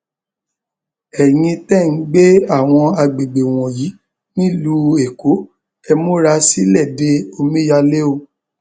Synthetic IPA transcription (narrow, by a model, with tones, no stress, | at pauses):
ɛ˨j̃ĩ˧tɛ˦˨n̩˨˦ɡ͡be˦a˦˨w̃ɔ̃˧a˧ɡ͡be˨ɡ͡be˨w̃ɔ̃˨ji˨˦ | nĩ˦lu˦e˨ko˨˦ | ɛ˧mõ˦ɾa˧si˦lɛ˦˨de˧˦o˧mĩ˦ja˧le˦o˧